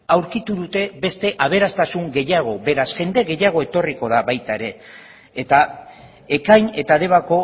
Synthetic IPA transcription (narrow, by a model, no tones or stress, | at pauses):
awɾkit̪uðut̪e̞be̞st̪e̞ʔaβ̞e̞ɾast̪asuŋɡe̞jaɣ̞o̞be̞ɾasʝe̞nd̪e̞ɣe̞jaɣ̞o̞e̞t̪o̞riko̞ðaβajt̪aeɾe̞ː | t̪a | e̞kajne̞t̪aðe̞βako̞